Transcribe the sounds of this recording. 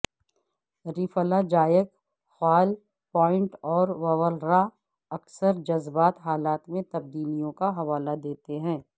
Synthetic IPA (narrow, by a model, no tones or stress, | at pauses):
ɾifəlad͡ʒaːjək | xaːl | pɔːɪ̃ɳʈɔːɾʋɐʋəlɾa | ɐksəɾd͡ʒɐzbaːt̪ɦaːlaːt̪mẽt̪ɐb̚d̪iːlijõkaɦɐʋaːlad̪eːt̪eɦɛ̃ː